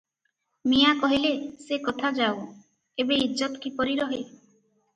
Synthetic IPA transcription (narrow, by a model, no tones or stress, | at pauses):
mijakɔɦilesekot̪ʰad͡ʒaw | ebeid͡ʒɔt̪ɔ̥kipɔɾiɾɔɦe